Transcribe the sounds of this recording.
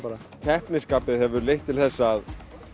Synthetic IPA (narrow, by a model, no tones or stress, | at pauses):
aɾa | cʰɛhpnɪskaːpɪðhɛvʏɾlejht̪ʰːɪlθɛsːað